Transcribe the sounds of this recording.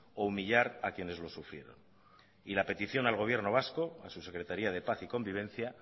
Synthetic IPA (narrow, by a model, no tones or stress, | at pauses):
oumiʎaɾakje̞ne̞zlo̞sufɾje̞ɾo̞̰n | ilape̞t̪iθjo̞nalɣ̞o̞β̞je̞ɾno̞β̞asko̞asuse̞kɾe̞t̪aɾiað̞e̞paθiko̞mbiβe̞n̟θja